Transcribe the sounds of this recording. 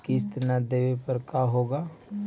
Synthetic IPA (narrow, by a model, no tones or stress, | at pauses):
kist̪nad̪eːʋepəɾkaːɦoːɡaː